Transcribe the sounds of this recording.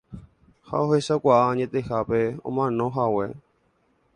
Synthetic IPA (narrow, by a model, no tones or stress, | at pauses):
ha̰oɦhe̞sakʷaʔaɲẽt̪e̞hape̞õ̰mãnõ̞ɦawe